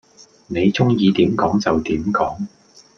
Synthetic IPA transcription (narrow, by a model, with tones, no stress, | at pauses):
ne˨˧jt͡sʊ˥ŋjiː˨˧t̪iː˨˥mkɔː˨˥ŋt͡sɐ˨wt̪iː˨˥mkɔː˨˥ŋ